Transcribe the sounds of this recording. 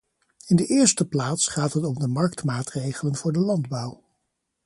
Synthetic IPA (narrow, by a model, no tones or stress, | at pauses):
ɪndəʔɪːɹstəplaːtsχaːtɦətɔmdəmɑɹk̚tmaːtrejχələnvʊːɹdəlɑndbʌw